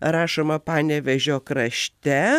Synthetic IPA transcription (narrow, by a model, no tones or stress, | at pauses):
ɾɑːʃomɐpɑːnʲɛʋʲɛʒʲoːkɾɐʃʲt̪ʲɛ